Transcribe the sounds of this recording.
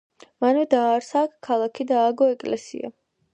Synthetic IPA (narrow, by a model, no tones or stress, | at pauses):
manvɛd̪aːɾsakʰːalˠakʰid̪aːɡɔɛkʼlɛsḭa̰